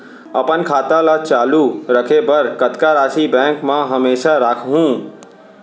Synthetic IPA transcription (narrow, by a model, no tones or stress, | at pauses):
əpənkʰaːt̪ãlat͡ʃaːluɾəkʰebəɾkət̪kaɾaːsibɛ̃ːŋkmãɦəmeːʃaɾaːkʰɦũː